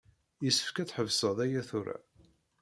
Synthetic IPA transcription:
jəsːə̥fkæt͡sħəvsəðˤæjæθuɾæ̰

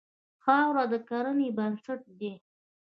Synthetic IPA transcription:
xɑwɾad̪əkaɾənebansaʈ̚d̪e

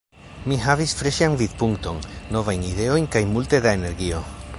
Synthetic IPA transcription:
miɦavisfɾe̞ʃanvidpuŋkto̞nːo̞vajnide̞o̞jnkajmulte̞daene̞ɾɡio̞

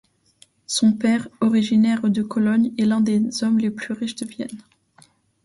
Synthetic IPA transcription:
sɔ̃pɛʁɔʁiʒinɛʁd̪əkɔlɔɲɛlɛ̃d̪ez̥ɔmleplyʁiʃd̪əvjɛ̰n

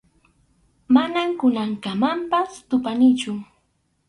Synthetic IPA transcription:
manamkʊnaŋkamampast̪ʊpanɪt͡ʃʊ

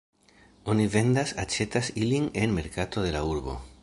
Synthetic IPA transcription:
o̞nive̞nd̪asat͡ʃe̞t̪asiline̞nme̞ɾkat̪o̞ðe̞lauɾbo̞̰

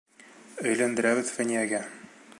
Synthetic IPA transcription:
ɵ̆jlænd̪ɘ̆ɾæβɘðfænʲijæɡæ

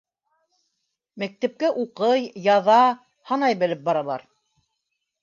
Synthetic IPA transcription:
mæk̚t̪æp̚kæʔuqɤjjɑðɑ | hɑnɑjbɘ̆lɘp̚bɑɾɑlˠɑ̰ɾ

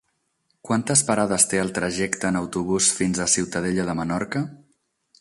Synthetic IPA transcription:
kwant̪əspəɾaðəst̪eəlˠt̪ɾəʒɛkt̪əːnəwt̪uβusfinzəsiwt̪əðeʎəðəmənɔɾkə

